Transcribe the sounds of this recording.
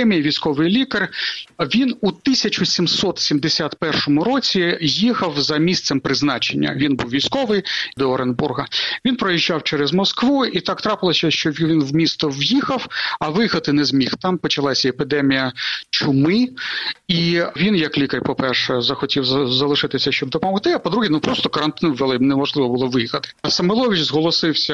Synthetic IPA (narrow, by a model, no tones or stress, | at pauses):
ɛmʲijiʋʲijsʲkɔʋɪjlʲikɐrʋʲinut̪ɪsʲɐt͡ʃʊsʲimsɔt̪sʲimd̪esʲat̪pɛrʃɔmʊɾɔt͡sʲijixɐwzɐmʲist̪sɛmpɾɪznɑt͡ʃenʲːɐ̰ʋʲinbuwʋʲijsʲkɔʋɪjd̪ɔɔɾenburɦɐʋʲinpɾɔjiʒːɑwt͡ʃɛɾɛzmɔskʋuit̪ɑkt̪ɾɑpɪlˠɔsʲɐʃt͡ʃɔʋʲiʋinwmʲist̪ɔwjixɐwɐʋɪjxɐt̪ɪnɛzmʲixt̪ɑmpɔt͡ʃɐlˠɑsʲɐepɪd̪ɛmʲijɐt͡ʃʊmɪ | iʋʲinjɐklʲikɐɾʲpɔpɛrʃɛzɐxɔtʲiwzɐlˠɪʃɪt̪ɪsʲɐʃt͡ʃɔb̚d̪ɔpɔmɔxt̪ɪɐpɔd̪ɾuɦinupɾɔst̪ɔkɐɾɐnt̪ɪnʋelˠɪnɛmɔʒlˠɪʋɔbʊlˠɔʋɪjixɐt̪ɪ̥sɐmɛlˠɔʋʲɪt͡ʃzɦɔlˠɔsɪwsʲɐ